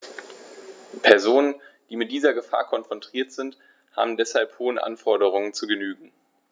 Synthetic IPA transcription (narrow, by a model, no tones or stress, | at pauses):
pʰɛɐzoːnənd̥iːmɪt̚d̥iːzɐɡəfa̰ːɐkʰɔnfʁ̥ɔntʁ̥iːɐtz̥ɪnt | ha̰ːbm̩dɛshalphoːənʔa̰nfɔɐdəʁ̞ʊŋənt͡suɡənyːɡŋ̩